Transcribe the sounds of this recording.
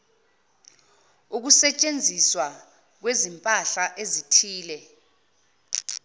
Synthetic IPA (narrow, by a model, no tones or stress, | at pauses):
uk̬usɛt͡ʃʼend͡zʱiswa | k̬wezimpʼaɬaʔezitʰiːlɛ